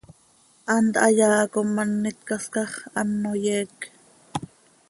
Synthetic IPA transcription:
ʔɑnt̪ɑjɑːkomɑnːɪt̪̚kɑskɑχɑnːojɛːk

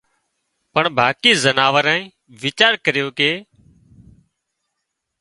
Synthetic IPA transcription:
pəɳbʱaːkiːzənaːʋəɾãːĩː | ʋɪt͡ʃaːɾkəɾɪjoːkeː

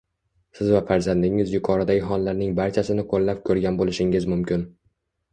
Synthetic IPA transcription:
sɪzvafaɾzand̪ɪŋɪzjʊkʰɒɾad̪aɪɦɒnlaɾnɪŋbaɾt͡ʃʰasɪnɪqʰolːap̚kʲʰɵɾɡʲanbolɪʃɪŋɪzmʊmkʲɪn

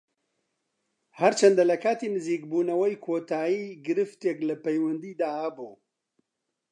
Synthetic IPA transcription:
hɐɾt͡ʃʰɐnd̪alɐkʰaːt̪iːnɨziːk̚buːnɐwɛjkʰoːt̪ʰaːjiːɡɨɾɨft̪eːklɐpejwɐnd̪iːd̪aːhɐbuː

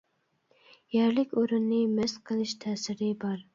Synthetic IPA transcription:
jɛɾlɪkʲoɾɨnːɨmɛsqʰəlˠɨʃt̪ʰɛːsɪɾɪbɑɾ

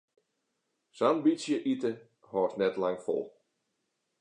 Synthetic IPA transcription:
sanbisjəʔitə | hɔːtnɛtlaŋfɔ̰lˠ

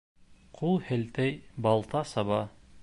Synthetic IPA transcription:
qʰulˠhɘ̆lt̪æjbɑlˠt̪ɑsɑβɑ

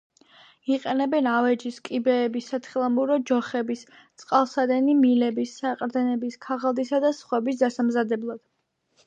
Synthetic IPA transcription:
iqʼɛnɛbɛnavɛd͡ʒiskʼibɛːbisːat̪ʰχilˠamuɾɔd͡ʒɔχɛbis | t̪sʼqʼalˠsad̪ɛnimilɛbisːaqʼɾd̪ɛnɛbiskʰaʁalˠd̪isad̪asχwɛbisd̪asamzad̪ɛblˠad̪̥

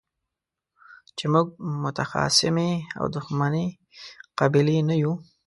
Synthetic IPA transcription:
t͡ʃemuɡ̚mʊt̪axɑ̰sɪmea̰wd̪ʊxmane | qabilenaju

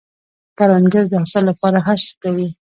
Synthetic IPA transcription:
kaɾɑŋɡəɾd̪əasalapɑɾaxaʃt̪kawi

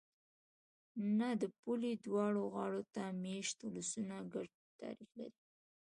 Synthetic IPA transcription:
nad̪əpulid̪wɑɽoɣɑɽot̪ameʃt̪ʊlasunaɡaɽ | t̪ɑ̰ɾixla̰ɾi

